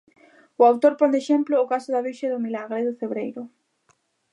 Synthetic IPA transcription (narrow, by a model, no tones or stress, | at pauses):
ʊawt̪oɾpond̪eʃemplʊːkasʊðaβiʃaðʊmilaɣɾeðʊfeβɾejɾʊ